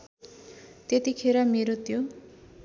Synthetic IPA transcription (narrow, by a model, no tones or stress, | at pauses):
t̪et̪ikʰeɾʌmeɾot̪jo